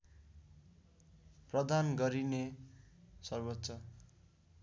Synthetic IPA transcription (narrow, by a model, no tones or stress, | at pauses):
prʌd̪ʱanɡʌɾine | sʌrbʌtːsʌ